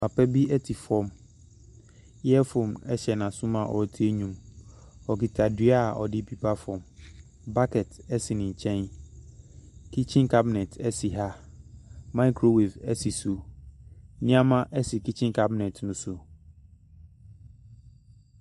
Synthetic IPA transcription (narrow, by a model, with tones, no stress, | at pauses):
ma˨pʰɛ˦bi˦ɛ˦tʰɪ˨fɔ̃˦m | jɛ˦fo˨mɛ˦ɕɛ˨nã˨sʊ̃˦mã˨ʔɔ̰˨˦tʰi˦ɛ˦ɲũ˨m | ɔ˨ki˨tʰa˨dɥa˦˨ʔɔ̰˨dɪ˦pʰi˦pʰa˦fɔ̃˨m | ba˦kʰɛ˨tʰɛ˦sɪ˨nɪ̃˨ɲ˨t͡ɕʰɛ̃˦n | kʰi˦t͡ɕʰɪ̃˦nkʰa˦bɪ˨nɛ̃˨tʰɛ˦si˨ɦa˦ | mã˦i˦kʰɾo˨we˨fɛ˦si˨su˨˦ | nĩ˦ã˦mã˦ʔɛ˦sɪ˨kʰi˦t͡ɕʰɪ̃˦ŋkʰa˦bɪ˨nɛ̃˨tnʊ̃˦sʊ˨